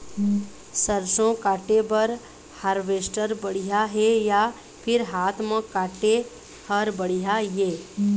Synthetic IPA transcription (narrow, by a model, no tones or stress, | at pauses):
səɾsõkaːʈebəɾ | haɾʋeːsʈəɾbəɽ̤ijaɦeja | pʰɪɾɦaːt̪ʰmə̃kaːʈe | həɾbəɽijajeː